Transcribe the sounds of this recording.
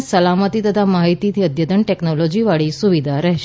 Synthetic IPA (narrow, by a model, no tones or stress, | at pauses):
səlamət̪iːt̪ət̪ʰamaɦit̪iːt̪ʰiəd̪jəd̪əɳʈeknɔlɔd͡ʑiːʋaɭiːssuʋid̪ʱaɾəɦ